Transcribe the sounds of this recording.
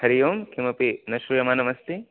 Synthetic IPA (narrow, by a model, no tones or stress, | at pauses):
hɐɾijoːmkʰimɐpinɐʃɾujɐmaːnɐmɐst̪i